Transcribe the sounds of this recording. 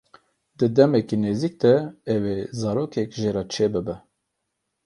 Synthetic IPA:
d̪ɨd̪ɛmɛkineːzik̚d̪ɛɛwezɑːɾoːkʰɛkʒeːɾɑt͡ʃʰeːbɨbɛ

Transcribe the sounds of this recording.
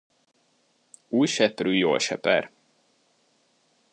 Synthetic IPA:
uːjʃɛpryːjo̰ːlʃɛ̰pɛ̰r

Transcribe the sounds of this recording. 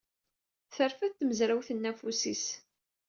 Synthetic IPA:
θəɾfæθt̪ːməzɾæwθənːæfusis

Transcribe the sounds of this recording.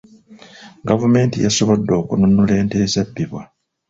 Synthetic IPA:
ɡavume̞ːntijaso̞βodːo̞ːkununule̞ːnteːzabːiβwa

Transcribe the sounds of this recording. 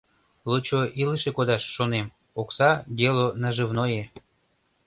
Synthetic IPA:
lot͡ɕoʔiləʃekod̪ɑʃːonem | oksɑɡelonɑʒəvnoje

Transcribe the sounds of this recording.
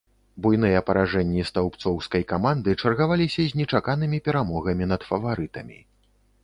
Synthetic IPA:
bujnɨjɐpɐɾaʐɛnʲːist̪awpt̪sɔwskɐjkamand̪ɨt͡ʂɐrɣavalʲisʲɐzʲnʲɛt͡ʂakan̪ɨmʲipʲɛɾamɔɣɐmʲinɐt̪fɐvaɾɨt̪ɐmʲḭ

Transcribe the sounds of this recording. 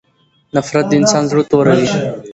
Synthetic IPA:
nafɾat̪̚d̪əɪnsɑːnzɾut̪oɾawi

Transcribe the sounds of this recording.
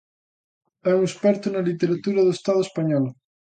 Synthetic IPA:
ɛuŋespɛɾt̪ʊnɐlit̪eɾat̪uɾɐðoest̪aðʊespaɲɔl

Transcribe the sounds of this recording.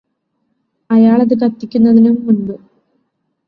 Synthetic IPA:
ɐjaːɭɐðɨk̬ɐt̪ːikʲːunːɐðinumuɳɖɨ

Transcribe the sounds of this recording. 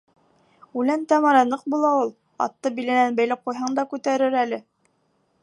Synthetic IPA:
ʉlænt̪æmɑɾɑnɤq̚bulˠɑulˠ | ɑ̰t̪ːɤbilæ̆nænbæjlæp̚qujɦɑɴd̪ɑkʉt̪æɾɘɾælɘ

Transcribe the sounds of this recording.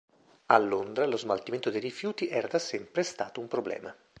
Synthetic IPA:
alːond̪ɾalozmalt̪iment̪od̪ejɾifjuːt̪iʔɛːɾad̪asɛmpɾest̪aːt̪oumpɾoblɛ̰ːma

